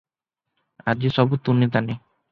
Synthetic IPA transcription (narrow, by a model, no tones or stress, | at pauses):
ad͡ʑiʃɔbut̪unːit̪̬ane